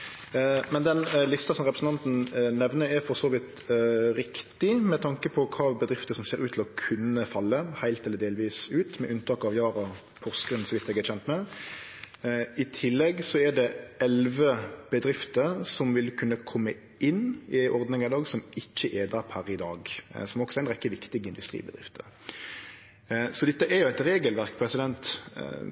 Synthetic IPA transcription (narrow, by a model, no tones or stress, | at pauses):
mɛnd̪ɛnlɪst̪ɑsɔmɾʁɛpɾəsn̩t̪ɑnt̪n̩nɛʋnəɾɛɾfɔɾsoːʋɪt̪ | ɾɪkt̪ɪmɛt̪ʰɑŋkəpʰɔkʰɑːbəd̪ɾɪft̪əsɔmseːɾʉːt̪ʰɪlɔkʰʉnːəfɑlːəhæɪlt̪ɛlːəɾd̪eːlʋiːsʉːt̪mɛʔʉnt̪ʰɑːkɑʋjɑːɾɑ | pʰɔʁskənsɔʋɪt̪ːɛɡɛt͡ɕʰçɛnt̪mɛ | ɪt̪ʰɪlːɛɡsɔɛɖɛɛlʋəb̥əd̪ɾɪft̪əɾsɔmʋɪlkʰʉnːəkʰɔmːə | ʔɪnːɪʔɔʁd̪nɪŋæd̪ɑːɡsɔmɪçːəʔeːd̪ɑphæɾɪd̪ɑːɡsɔmɔksɔɛɾnɾɛkːəʋɪkt̪ɪɡəɪnd̪ʉst̪ɾḭːbəd̪ɾɪ̰ft̪ə̰ɾ | sɔd̪ɛt̪ːəʔɛɾjʊæɪt̪ɾeːɡəlʋæɾkpʰɾɛsɪd̪ɛnt̪